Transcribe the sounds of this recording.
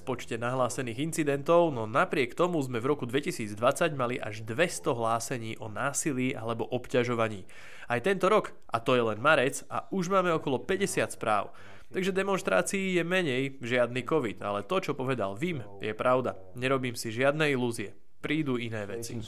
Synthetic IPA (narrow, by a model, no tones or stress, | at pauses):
fpɔt͡ʃcɛnaɦlaːsɛniːɣint͡sid̪ɛnt̪ɔʊnɔnapɾɪɛkt̪ɔmuzmɛvɾɔkud̪ʋɛcisiːd͡zd̪ʋat͡saɟmaliʔa̰ʒd̪ʋɛst̪ɔɦlaːsɛɲiːʔɔnaːsiliːʔa̰lɛbɔʔɔpcaʒɔʋaɲiː | ajt̪ɛnt̪ɔɾɔk | ʔat̪ɔjɛlɛnmaɾɛt͡sa̰uʒmaːmɛɔkɔlɔpɛɟɛsɪat̪spɾa̰ːʊ | t̪aɡʒɛd̪ɛmɔnʃt̪ɾa̰ːt͡siːjɛmɛɲɛjʒɪad̪nikɔʋit̪a̰lɛt̪ɔt͡ʃɔpɔʋɛd̪a̰lʋim | jɛpɾʔaʊd̪a | ɲɛɾɔbiːmsiʒɪad̪nɛiluːziɛ | pɾiːd̪uːinɛːʋɛt͡si